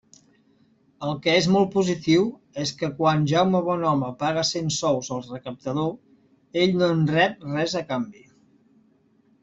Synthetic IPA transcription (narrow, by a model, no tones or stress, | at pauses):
əlˠkɛezmɔlˠt̪̚puzit̪iw | eskəkwanʒawməβ̞ɔnɔməpaɣəsensɔwzəlˠrəkəp̚t̪əðo | eʎnonrɛp̚rɛzəkambi